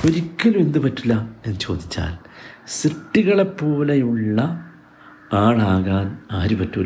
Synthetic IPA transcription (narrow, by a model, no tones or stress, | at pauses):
o̞ɾikʲːɐlume̞nd̪ɨpɐtːulːɐenːɨt͡ɕo̞̰ːd̪ʱit͡ɕːa̰ːl | srɨʈːiɣɐɭe̞pːo̞ːlejuɭːɐ | aːɭaːɣaːnaːɾupɐtːulː